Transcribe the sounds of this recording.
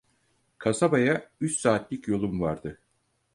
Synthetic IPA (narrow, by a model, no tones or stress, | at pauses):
kʰasabajayt͡ʃsaːt̪lʲicjo̞lˠumvaɾd̪̥ɯ